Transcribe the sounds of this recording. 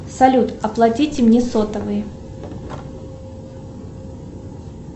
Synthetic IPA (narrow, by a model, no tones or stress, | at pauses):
sɐlʲut̪ɐplˠɐtʲitʲɪmnʲesot̪əvɨjɪ